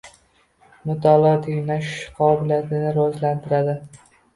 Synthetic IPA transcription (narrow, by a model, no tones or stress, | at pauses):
mʊt̪ʰɒlˠɒt̪ʰijnaʃqʰɒːbɪlijat̪ʰɪnɪɾɒzlant̪ʰɪɾad̪ɪ